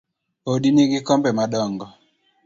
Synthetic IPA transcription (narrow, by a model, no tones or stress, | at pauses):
odiniɡikɔmbɛmadɔŋɡɔ